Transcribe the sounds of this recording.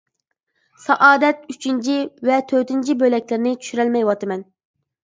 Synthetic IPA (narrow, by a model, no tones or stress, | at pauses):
sɑʔɑːd̪ɛt̪̚yt͡ʃʰint͡ʃʰivɛt̪ʰøt̪ɪnt͡ʃʰibølɛkʲlɪɾnɪt͡ʃʰy̥ʃyɾælmɛjwɑt̪ɨmɛn